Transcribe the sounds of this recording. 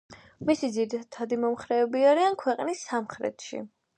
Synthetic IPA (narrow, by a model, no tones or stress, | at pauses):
misid̪zid̪it̪ʰad̪imɔmχɾɛːbiaɾiankʰwɛqʼnisːamχɾɛ̰t̪ʰʃḭ